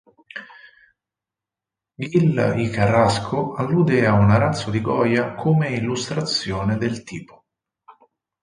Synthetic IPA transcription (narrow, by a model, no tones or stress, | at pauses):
ɡilikaraskʰoalːud̪ɛːaunaɾat̪sːod̪iɡɔːjakʰomeilːust̪ɾat̪sjoːned̪elt̪iːpo̥